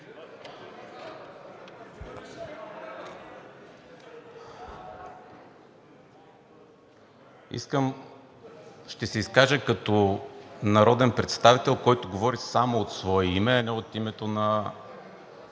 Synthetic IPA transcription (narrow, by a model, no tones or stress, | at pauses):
ḭskəm | ʃt̪ɛsɛiskaʒəkɐt̪onɐɾɔd̪ɛnpɾɛt̪st̪avit̪ɛlˠkɔjt̪oɡovɔɾisamoːt̪svɔɛimɛɐnɛot̪imɛt̪onɐ